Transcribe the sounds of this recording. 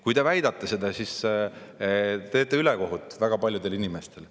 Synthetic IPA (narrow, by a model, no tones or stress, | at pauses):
kujt̪e̞væjd̪̥ɑt̪ːˑese̞d̪̥ɑsis | t̪e̞ːt̪ːˑeyleko̞ɦut̪ːˑvæɡ̥ɑpɑljud̪e̞linime̞st̪e̞l